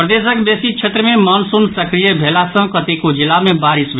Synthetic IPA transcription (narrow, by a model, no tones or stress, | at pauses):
pɾəd̪eːsəkbeːsikʃʰeːt̪ɾəmẽmɔːnsunsɐkɾijebʱɛːlasə̃kɐt̪ekod͡ʒɪlamẽbaːɾɪsʋ